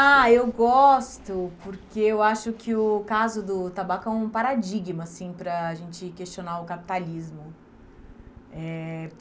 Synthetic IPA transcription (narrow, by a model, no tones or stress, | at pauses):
aewɡɔst̪ʊpoɾkeewaʃʊkʰɪʊkazʊd̪ʊt̪abakʊɛũpaɾad͡ʒiɡmɐsĩpɾɐːʒẽnt͡ʃɪkest͡ʃonaʊkapi̥t̪alizmʊ | ɛ